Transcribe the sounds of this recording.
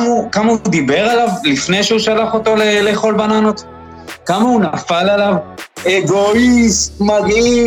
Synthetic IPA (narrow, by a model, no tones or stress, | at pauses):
ukamaud̪ibe̞ʁalavlifne̞jʃeuʃalaχot̪o̞leleχo̞lbananot̪ | kamaunafalalaveɡo̞istmaɡi